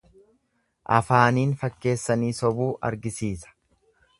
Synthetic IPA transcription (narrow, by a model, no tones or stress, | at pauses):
ʔɐ̰faːniːnfɐkːe̞ːsːɐniːsɔbuːʔɐ̰ɾɡɪsiːsɐ̥